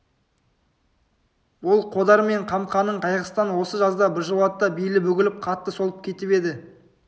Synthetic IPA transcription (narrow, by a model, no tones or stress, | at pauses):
bʊlˠqʰod̪ɑɾme̞ɴqʰɑmqɑnəɴqʰɑjʁəst̪ɑnwo̞səʒɑzd̪ɑbɪɾʒəlˠɑt̪ːɑbijlɪbɵɡʲɪlɪp̚qʰɑt̪ːəso̞lˠəp̚kʲʰe̞t̪ɪpe̞d̪ɪ